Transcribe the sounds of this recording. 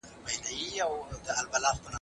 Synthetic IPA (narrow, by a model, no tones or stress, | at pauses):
bajnajiawd̪əalbalafpəna